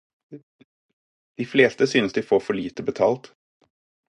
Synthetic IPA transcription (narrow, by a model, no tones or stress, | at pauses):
d̪̥ɪfleːst̪əsyːnəsd̪ɪfoːɾfɔɭiːt̪əbɛt̪ʰɑːlt̪